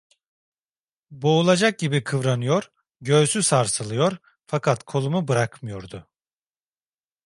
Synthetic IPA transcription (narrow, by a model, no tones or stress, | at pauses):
bo̞ulˠad͡ʒak̚ɟibikʰɯvɾanɯjo̞ɾ | ɟø̞ːsysaɾsɯlˠɯjo̞ɾ | fakʰat̪kʰo̞lˠumubɯɾakmɯjo̞ɾd̪ʊ